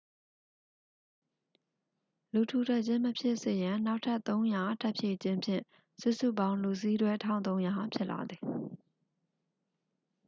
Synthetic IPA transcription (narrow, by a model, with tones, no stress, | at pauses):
lu˨tʰu˨tʰɛ˦˨ʔt͡ɕɪ̃˦məpʰjɪ˦ʔsɪ˦˨jã˨na˦ʊʔtʰa˦ʔt̪ːõ˦ʊ̃ja˨tʰa˦ʔpʰje˨t͡ɕɪ̃˦mpʰjɪ̰̃˦˨ | sṵ˦˨sṵ˦˨bã˦ʊ̃lu˨si˦dwɛ˦tʰã˦˨ʊ̃nõ˦ʊ̃ja˨pʰjɪ˦ʔla̰˨d̪ði˨